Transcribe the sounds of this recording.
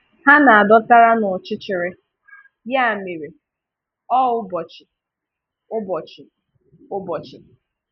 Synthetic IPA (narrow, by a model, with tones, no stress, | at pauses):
ha˦na˨a˨dɔ˦ta˦ɾa˦nʊ˨t͡ʃɪ˦t͡ʃɪ˨ɾɪ˦ | ja˦a˨me˨ɾe˨ | ɔ˦ʊ˦bɔ˨t͡ʃɪ˨ | ʊ˦bɔ˨t͡ʃɪ˨ | ʊ˦bɔ˨t͡ʃɪ˨